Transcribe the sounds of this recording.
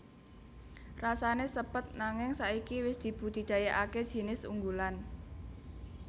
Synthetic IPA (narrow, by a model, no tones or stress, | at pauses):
rasanesəpət̪̚naŋɪŋsaikiwɪsd̪̥i̤b̥ṳt̪i̤d̪̥a̤jaʔaked̥ʒ̥i̤nɪsṵŋɡulan